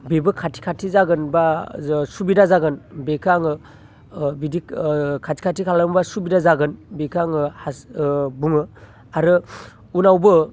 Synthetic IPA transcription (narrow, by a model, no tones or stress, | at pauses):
bebɯkʰatʰi̥kʰatʰizaɡɯnbasubidazaɡɯnbekʰaŋɯ | bidikʰatʰi̥kʰatʰikʰalɯmbasubidazaɡɯnbekʰaŋɯhasbuŋɯ | aɾɯ | unawbɯ